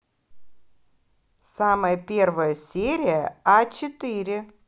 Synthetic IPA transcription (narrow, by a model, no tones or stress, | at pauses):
saməjəpʲe̞rvəjəsʲeɾʲɪjəat͡ɕɪt̪ɨɾʲɪ